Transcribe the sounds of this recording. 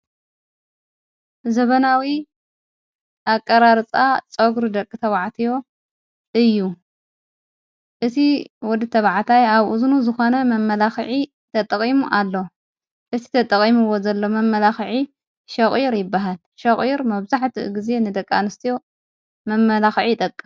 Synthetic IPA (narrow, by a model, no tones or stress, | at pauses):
zɐβɐnawi | ʔakʼːɐɾaɾt͡sʼat͡sʼoɡɾud̪ɐkʼːɨt̪ʰɐβaʕt̪ʰijo̞ | ʔɨjːu | ʔɨt̪ʰiwɔd̪ɨt̪ʰɐβʕt̪ʰajaβʔuzunuzɨxo̞nɐmɐmːɐlaxʕi | t̪ʰɐt̪ʼɐχʼimuʔalːo̞ | ʔɨt̪ʰi̥t̪ʰɐt̪ʼɐχʼimɨwo̞zɐlːo̞mɐmːɐlaxʕi | ʃɐχʼiɾjɪbːaɦal | ʃɐχʼiɾmɐβzaħt̪ʰɨʔɡize̞nɨd̪ɐkʼːa̰nɨst̪ʰijo̞ | mɐmːɐlaxʕit̪ʼɐkʼːɨm